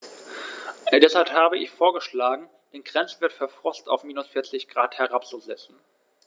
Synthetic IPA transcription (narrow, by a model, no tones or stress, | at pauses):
d̥ɛshalphaːbəʔɪ̰çfoːɐɡəʃlaːɡŋ̩ | d̥eːnɡʁɛnt͡sv̥ɪɐtfɛɐfʁ̥ɔsta̰ʊfmiːnʊsfɪɐt͡sɪçɡ̥ʁaːthɛʁapt͡suzɛt͡sn̩